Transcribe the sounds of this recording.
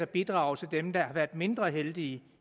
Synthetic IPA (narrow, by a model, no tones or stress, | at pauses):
ɒb̥id̥ʁɑ̈ːʊt͡sʰe̝ld̥emd̥ɑ̈hɑ̈ʋæɐ̰d̥me̝nd̥ʁɐɦeld̥iːə